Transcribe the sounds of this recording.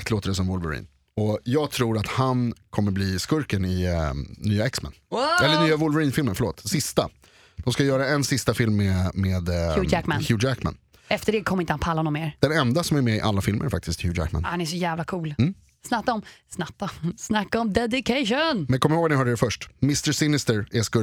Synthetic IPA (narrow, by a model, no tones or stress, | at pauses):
akt̪loːt̪əɖɛs̬ɔmvʊlvəɾḭːn | ɔjɑːɡt̪ʰɾuːɾat̪hankʰɔmːəɾbliːskɵɾkənɪnyːaɛksma̰nɛlːənyːavʊlvɛɾiːnfɪlmənfœɭoːt̪sɪst̪a̰ | d̪̥ɔmskajœːɾaɛnsɪst̪afɪlmːemeːd̪ʉækmænçjʉd͡ʒækma̰n | ɛft̪əɖɛkʰɔmːɾɪnt̪hanpʰalːanɔmeːɾd̪̥ɛnɛnd̪asɔmæɾmɛɪʔa̰lːafɪlmə̰ɾfa̰k̚t̪ɪst̪jʉːd͡ʒæ̰kma̰nhanæʂɔjæːvlakʰuːlm̩ː | snat̪ːaɔmsnatːasnakːaɔmd̪ɛd̪ɪkʰaʂʊnmɛnkɔmːɾoːɡvanɪhœːɖɛːɾfœʂʈmɪst̪əsɪnɪst̪əɾɛskɵ